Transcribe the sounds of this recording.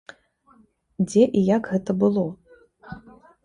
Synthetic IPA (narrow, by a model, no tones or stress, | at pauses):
d͡zʲɛʔijakɣɛt̪ɐbɨlˠɔ